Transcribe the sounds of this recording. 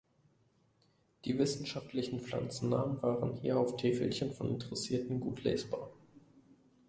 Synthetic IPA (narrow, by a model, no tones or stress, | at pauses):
d̥iːvɪsn̩ʃaftlɪçn̩fla̰nt͡sn̩ːa̰ːmənvaːʁənhḭːɐaʊftʰeːfl̩çənfɔnɪ̰ntʰəʁɛsiːɐtn̩ɡuːtʰlḛːsb̥a̰ːɐ